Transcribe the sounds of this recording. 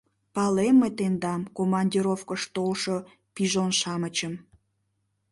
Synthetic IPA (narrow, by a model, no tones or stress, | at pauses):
pɑlemːet̪end̪ɑmkomɑnʲdʲiɾofkəʃt̪olʃo̽ | piʒonʃɑmət͡ɕəm